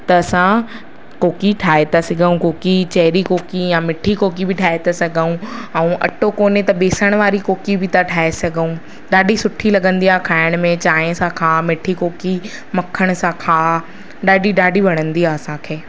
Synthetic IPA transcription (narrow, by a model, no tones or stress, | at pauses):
t̪ɐɐsã | koːkiʈʰaːet̪asɐɡʱəũkoːkit͡ɕɐɦɪɾikoːkijãmɪʈʰikoːkibʱɪʈʰaːet̪asɐɡʱəũɛ̃ũʔɐ̰ʈokoːnet̪ɐɓeːsəɽ̃ʋaːɾikoːkibʱɪt̪aʈʰaːesɐɡʱəũ | ɗaːɖʱisʊʈʰilɐɡə̃nd̪iaːkʰaːɪɽ̃mẽt͡ɕaːẽsãkʰaːmɪʈʰikoːki | mɐkʰəɽ̃sãkʰaː | ɗaːɖʱiɗaːɖʱiʋɐɽ̃ə̃nd̪iaɐsãkʰeː